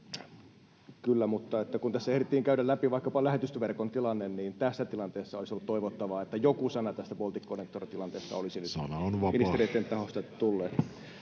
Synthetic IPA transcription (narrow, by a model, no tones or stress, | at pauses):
kylːæmut̪ːɑet̪ːækunt̪æsːæehɾit̪ːiːŋkæydællæpiʋɑikːɑpɑlæhet̪yst̪ʋerkont̪ilɑnːenniːnt̪æsːæt̪ilɑnt̪eːsːɑoisiolut̪t̪ːoiʋot̪ːɑʋɑet̪ːæjokusɑnɑt̪æst̪æpolt̪ikːonekt̪orit̪ilɑnt̪eːsːɑ̰olisinyt̪ɑnɑonʋɑminiseɾrieit̪ːˑent̪ɑhost̪ɑt̪ulːeːt̪